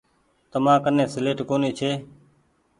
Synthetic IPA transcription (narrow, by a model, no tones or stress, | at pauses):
t̪əmãːkənẽːsleːʈkoːniːt͡ʃʰeː